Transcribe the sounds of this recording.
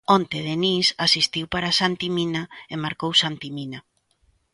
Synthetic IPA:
ont̪eðenisasist̪iwpaɾasant̪imĩnaemaɾkowsant̪imina

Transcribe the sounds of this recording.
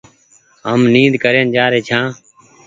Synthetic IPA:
ɦəmnĩːd̪kəɾeːnd͡ʒaːɾeːt͡ʃʰãː

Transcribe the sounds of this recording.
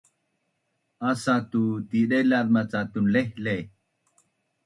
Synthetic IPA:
asat̪ut̪iɗɛlaɾmat͡sat̪unlɛhlɛ

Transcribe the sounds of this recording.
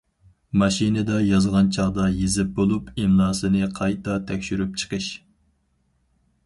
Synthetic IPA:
mɑʃinɪd̪ɑjɑzʁɑnt͡ʃʰɑʁd̪ɑjezɪp̚bolˠupimlˠɑːsɨnɨqʰɑjt̪ɑt̪ʰɛkʲʃyɾyp̚t͡ʃʰə̥qʰɨʃ

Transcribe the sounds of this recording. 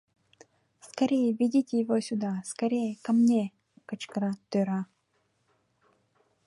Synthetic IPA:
skɐɾʲejəvʲidʲitʲɪjɪvosʲʊd̪askɐɾʲejəkɐmnʲe | kət͡ʃkɾat̪ʏɾa

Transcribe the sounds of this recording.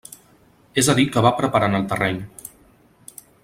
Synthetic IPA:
ezəðikəβapɾəpəɾanəlˠt̪ərɛɲ

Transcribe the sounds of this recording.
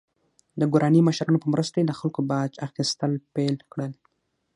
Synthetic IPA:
d̪əɡuɾɑniməʃɾɑnopəmɾəst̪ojed̪əxalkobɑd͡ʒaxist̪əlpelkɽəl

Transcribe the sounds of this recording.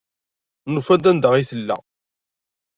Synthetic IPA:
nufæd̪ænd̪əʁiθəlːæ̰

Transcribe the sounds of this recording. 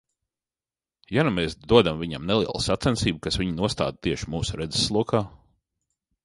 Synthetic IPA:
janumeːsd̪uɔd̪amvʲiɲamnɛlˠiɛlˠṵsat̪sɛnsiːbukasvʲiɲinuɔst̪a̰ːd̪̚t̪iɛʃimuːsuɾɛd̪zesːlˠuɔkaː

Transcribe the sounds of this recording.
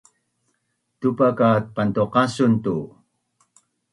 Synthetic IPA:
tupakat̚pant̪uqasuntu

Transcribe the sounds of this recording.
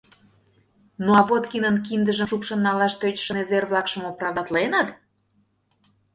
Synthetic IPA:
noɑβot̪kinənkind̪əʒəmʃupʃə̆nːɑlɑʃt̪øt͡ɕʃə̆nezerβlɑkʃə̆mopɾɑvd̪ɑt̪lenət̪

